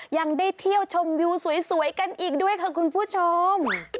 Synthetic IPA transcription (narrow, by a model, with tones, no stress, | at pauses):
ja˧ŋdaː˥˩jt̪ʰi˥˩əwt͡ɕʰo˧mjuː˧su˩˦jsu˨˩˦əjka˧nʔiː˨˩k̚du˥˩əjkʰa˧˥˩kʰu˧npʰuː˥˩t͡ɕʰo˧m